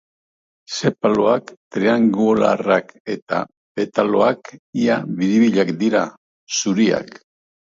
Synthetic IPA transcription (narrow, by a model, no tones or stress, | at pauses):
se̞paloakt̪ɾeaŋɡula̰rake̞t̪a̰ | pe̞t̪alo̞akiaβiðiβiʎakd̪iɾa | suɾia̰k